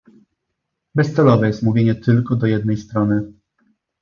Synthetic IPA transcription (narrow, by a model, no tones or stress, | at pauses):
bɛst̪sɛlɔvɛjɛst̪muvʲjeɲɛt̪ɘlkɔd̪ɔjɛd̪nɛjst̪ɾɔnɘ